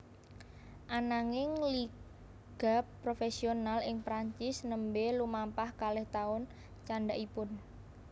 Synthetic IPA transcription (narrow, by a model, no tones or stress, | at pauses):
ʔanaŋɪŋli | ɡ̥a̤pːɾofesionalɪŋpɾaɲt͡ʃɪsnəmbelumampahkalɛht̪aʊn | t͡ʃaɳɖaʔipʊn